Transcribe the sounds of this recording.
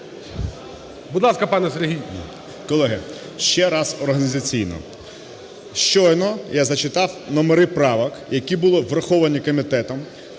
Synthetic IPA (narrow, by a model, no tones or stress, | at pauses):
bud̪lˠɑskɐpɑnɛseɾɦʲij | kɔlˠɛɦɪ | ʃt͡ʃɛɾɑzɔrɦɐnʲizɐt͡sʲijnɔ̰ | ʃt͡ʃɔjnɔjazɐt͡ʃɪt̪ɑwnɔmeɾɪpɾɑʋɐkjɐkʲibʊlˠɔʋrɐxɔʋɐnʲikɔmʲɪt̪ɛt̪ɔm